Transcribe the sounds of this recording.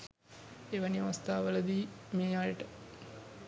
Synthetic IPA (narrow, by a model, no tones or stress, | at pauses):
eʋəniʋast̪aːʋələd̪iːmeːjaːjəʈə